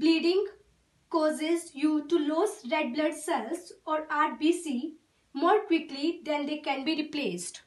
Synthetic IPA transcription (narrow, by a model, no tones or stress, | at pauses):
bliːɖĩŋɡ | kɔːzezjuʈuloːsɾeɖ̚bləɖselsɔːɾaɾ̚biːsi | moːɾkwiklid̪ɛ̃nd̪ekɛ̃nbiːɾipleːsʈ